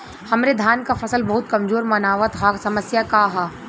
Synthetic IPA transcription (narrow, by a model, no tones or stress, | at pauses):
hɐmɾed̪ʱjaːnkafɐsəlbɐɦʊt̪̚kɐmzoːɾmɐnaːʋət̪ɦasɐməsjakaɦaː